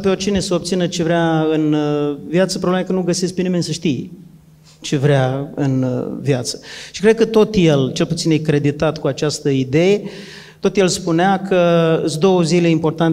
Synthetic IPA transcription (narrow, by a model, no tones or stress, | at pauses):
peo̞rt͡ʃine̞səop̚t̪sinət͡ʃe̞vɾeaɨnvjat̪səpɾoblemekənuɡəse̞sk̚penime̞nʲsəʃt̪ij | t͡ʃe̞vɾeaɨ̰nvjat̪sə̥ʃi̥kɾed̪kət̪o̞t̪je̞lt͡ʃe̞lput̪sinjekɾe̞d̪it̪at̪kuat͡ʃast̪əid̪eje | t̪o̞t̪je̞lspuneakʰəsd̪o̞wəzile̞impo̞rt̪an